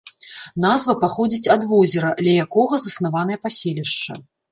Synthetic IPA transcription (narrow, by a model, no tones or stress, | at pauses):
n̪azvɐpaxɔd͡zʲit͡sʲɐd̪vɔzʲɪɾɐd̪lʲɐjakɔɣɐzɐsnavanɐjɐpasʲelʲiʂt͡ʂɐ̰